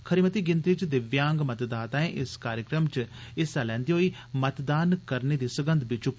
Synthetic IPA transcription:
kʰəɾimət̪iːɡɪ̃nt̪it͡ʃd̪ɪʋjãːŋɡmət̪d̪aːt̪aːẽʔɪskaːɾjəkɾəmt͡ʃɪst̪aːlɛ̃ːnd̪iːɦoːiː | mət̪d̪aːnkəɾneːd̪iːsəɡə̃nd̪bɪt͡ʃuk

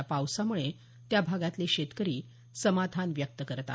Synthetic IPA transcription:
apawsamuɭe | t̪jabʱaɡat̪leɕet̪kəɾiː | səmad̪ʱanʋjək̚t̪əkəɾət̪a̰

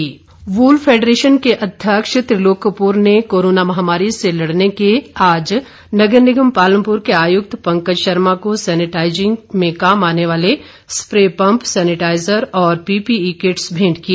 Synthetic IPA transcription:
ʋuːlfʰeːɖɾeːʃənkeʔɐd̪ʱjəkʃət̪ɾɪloːkəpuːɾnekoːɾoːnamɐɦaːmaːɾiselɐɽnekeaːd͡ʒ | nɐɡəɾnɪɡəmpaːlə̃mpʊɾkeaːjʊk̚t̪ʰpɐ̃ŋkəd͡ʒʃəɾmakosɛːnɪʈaːɪd͡ʒɪ̃ŋɡmẽkaːmaːneʋaːle | spɾeːpɐ̃mpsɛːnɪʈaːɪzəɾɔːɾpiːpiiːkeʈsbʱẽːɳɖkie

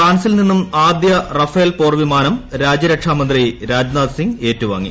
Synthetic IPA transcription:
kaːɳɐsilninːumaːd̪jɐrɐfeːlpo̞ːrʋimaːnɐmɾaːd͡ʑɐɾɐkʂaːmɐnd̪riɾaːd͡ʑnaːd̪siŋɡe̞ːtːuʋa̰ːŋːḭ

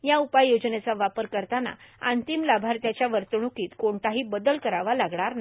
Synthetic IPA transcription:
jaupajːod͡znet͡saʋapəɾkəɾt̪ana̰ant̪imlabʱaɾt̪jat͡ɕjaʋəɾt̪ɳukiːt̪koɳt̪aɦiːbəd̪əlkəɾaʋalaɡɳ̃aɾna

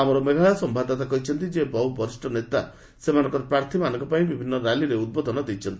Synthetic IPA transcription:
amɔɾɔmeɡʱaɭasɔmbʱad̪at̪akɔɦit͡ʃʰɔnt̪id͡ʒebɔubɔɾisʈɔnet̪a | semanɔ̃ŋkɔɾpɾaɾt̪ʰimanɔŋkɔpaĩbibʱinːɔɾaliɾeud̪̚bod̪ʱɔnɔd̪it͡ʃʰɔnt̪i̥

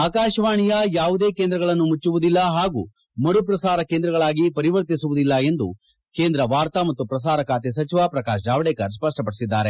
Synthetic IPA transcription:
aːkaːʃɐʋaːɳijɐjaːʋud̪e̞ːkeːnd̪ɾɐɡɐɭɐnːumut͡ʃːuʋud̪ilːɐɦaːɡṵː | mɐɽupɾɐsaːɾɐkeːnd̪ɾɐɡɐɭaːɡipɐɾiʋɐɾt̪isuʋud̪ilːɐe̞nd̪u | keːnd̪ɾɐʋaːɾt̪ɐmɐt̪ːupɾɐs̬aːɾɐkaːt̪es̬ɐt͡ʃiʋaːpɾɐkaːʃd͡ʒaːʋɐɽɛːkɐɾs̬pɐʂʈɐpɐɽisid̪ːaːɾe̞

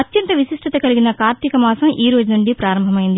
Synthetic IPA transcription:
ɐt̪jɐnt̪ɐʋisiʂʈʰɐt̪ɐkɐliɡinɐkaːɾt̪ikɐmaːsɐmʔiːɾoːd͡ʒunuɳɖipɾaːɾɐmbʱɐmɐjind̪i

